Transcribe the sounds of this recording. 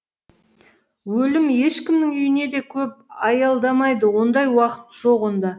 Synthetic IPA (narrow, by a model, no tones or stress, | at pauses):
wɵlɪme̞ʃkʲɪmnɪŋʏjɪne̞d̪e̞kʲʰɵp̚ɑjɑlˠd̪ɑmɑjd̪əwo̞nd̪ɑjwɑqə̥t̪ʒ̥oʁond̪ɑ